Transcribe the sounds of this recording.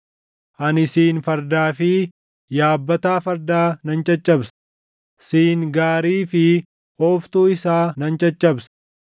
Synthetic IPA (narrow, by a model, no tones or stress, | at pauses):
ʔɐnɪsiːnfɐɾd̪aːfɪ | jaːbːɐt̪aːfɐɾd̪aːnɐnt͡ʃʼɐt͡ʃʼːɐbs | siːŋɡaːɾiːfɪ | oːft̪uːɪsaːnɐnt͡ʃʼɐt͡ʃʼːɐbs